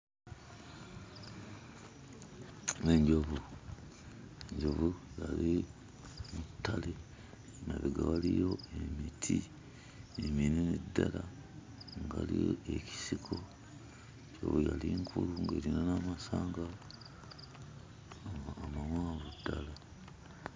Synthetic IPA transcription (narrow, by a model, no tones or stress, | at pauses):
eɲɟoβu | eɲɟoβujali | mutʰːale | naβeɡaβalijo̞emitʰi | emininidːala | ŋɡalijoeci̥sikʰo | ɲɟo̰βujaliŋkʰuluŋɡeɾinanamasaːŋɡa | aːmamaːβudːala